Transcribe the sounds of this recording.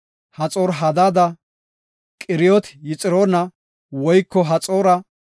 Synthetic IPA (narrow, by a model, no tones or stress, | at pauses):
hɐt͡sʼoːɾɦɐd̪aːd̪ɐ | kʼɪɾɪjɔt̪jɪt͡sʼɪɾoːnɐ | wɔjkːɔɦɐt͡sʼoːɾɐ